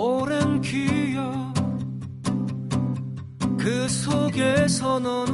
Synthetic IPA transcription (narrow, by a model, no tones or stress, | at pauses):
oɾɯnkijo | kɯsʰoɡesʰʌnɯn